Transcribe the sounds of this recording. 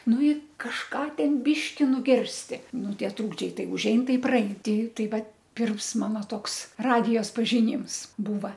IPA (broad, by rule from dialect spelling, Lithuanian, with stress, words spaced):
ˈnʊ ɪ kɐʃˈkɑː ˈtʲɛn ˈbʲɪʃʲkʲɪ nʊˈɡʲɪrʲsʲtʲɪ ˈnʊ ˈtʲiɛ ˈtruːɡd͡ʒʲɛɪ ˈtɐɪ ʊʒʲˈɛɪn ˈtɐɪ iː prɐˈɛɪn ˈtʲɪ ˈtɐɪ ˈʋɐt ˈpʲɪrms ˈmɑːnɐ ˈtoːks ˈrɑːdʲɪjoːs pɐʒʲɪˈnʲiːms ˈbuːʋɐ